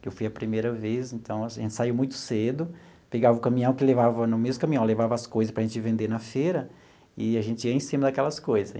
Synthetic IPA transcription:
kewfujɐpɾimejɾɐvesẽnt̪ɐ̃w̃ʒẽnt͡ʃɪsaiwmũj̃t̪ʊ̥sed̪ʊ | peɡavɐʊkɐ̃mĩɐ̃w̃kɪlevavɐnʊmezmʊkɐ̃mĩɐ̃w̃levavɐːskojzɐspɾɐʒẽnt͡ʃɪvẽnd̪eɾnɐfeɾɐ | ɪaʒẽnt͡ʃɪiɐẽsĩmɐd̪ɐkɛlɐskojzɐs

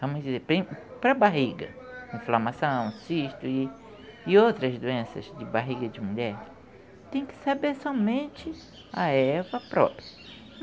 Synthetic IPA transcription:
vɐ̃mʊzd͡ʒizeɾpɾĩpɾɐbaɦiɡɐ̰ĩflɐmasɐ̃w̃siʃt̪ʊɪː | owt̪ɾɐzd̪uẽsɐ̰zd͡ʒɪbaɦiɡɐd͡ʒɪmuʎɛɾ | t̪ẽj̃kɪ̥sabeɾsɔmẽnt͡ʃɪ | aɛvɐpɾɔ̰pɾiɐ

